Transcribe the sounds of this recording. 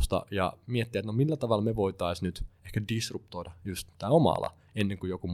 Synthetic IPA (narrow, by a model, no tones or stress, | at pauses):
st̪ɑ̰jɑ̰miet̪ːiæet̪nomilːæt̪ɑʋɑlmeʋoit̪ɑisnyt̪ehkædisrupt̪oidɑjust̪t̪ːæːomɑ̰lɑ̰ | enːeŋkujokum